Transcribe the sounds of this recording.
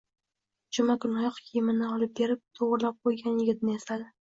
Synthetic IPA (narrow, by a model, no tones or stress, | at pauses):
d͡ʒʊmakʊnɒjɒqkʰʲjɪmɪnɪɒlˠɪp̚be̞ɾɪp̚t̪ʰoʁɾɪlap̚qʰojɡʲanjɪɡʲɪt̪̚nɪesad̪ɪ